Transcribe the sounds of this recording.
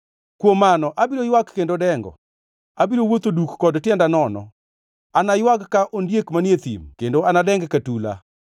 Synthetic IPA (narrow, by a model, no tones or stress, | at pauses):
kwomanɔʔabiɾojwakːendodɛŋɡɔ̰ | abiɾowot̪odukːɔdtjɛndanɔnɔ̰ | anajwakːaʔondjekmanjet̪ḭmkendoanadɛŋɡkatula̰